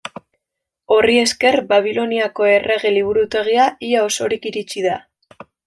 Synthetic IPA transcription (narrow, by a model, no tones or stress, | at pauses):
o̞rie̞ske̞rbaβ̞ilo̞niako̞e̞re̞ɣe̞liβ̞uɾut̪e̞ɣ̞iaiao̞so̞ɾikiɾit͡ʃiða